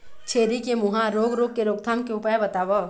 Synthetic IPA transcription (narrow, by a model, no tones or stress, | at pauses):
t͡ʃʰeːɾikemuɦãɾoːɡɾoːɡ̚keɾoːɡt̪ʰaːmkeʊpəjbɐt̪aːʋo